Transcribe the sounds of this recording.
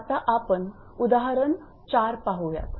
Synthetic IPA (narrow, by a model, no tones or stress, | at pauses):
t̪aʔapən | ud̪aɦaɾən | t͡ɕaɾpaɦuʋja̰t̪